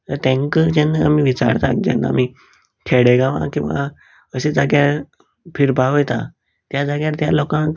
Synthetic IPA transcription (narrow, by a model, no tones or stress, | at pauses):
t̪əɾt̪ẽŋkəd͡ʑɛnːəa̰miʋit͡sa̰ɾt̪ak̚d͡ʑɛ̰nːəa̰m̤i | kʰeɽeɡãʋã̰kĩʋa̰ | əsed͡zaɡjaɾ | pʰiɾbaʋəjt̪a | t̪jad͡zaɡjaɾt̪jalɔkãn